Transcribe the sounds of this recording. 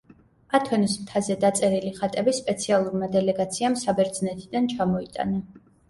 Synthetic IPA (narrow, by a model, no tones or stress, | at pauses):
at̪ʰɔnismt̪ʰazɛd̪at̪sʼɛɾiliχat̪ʼɛbispʼɛt̪sʰialˠuɾmad̪ɛlɛɡat̪sʰiamsabɛɾd̪znɛt̪ʰid̪ant͡ʃʰamɔit̪ʼa̰na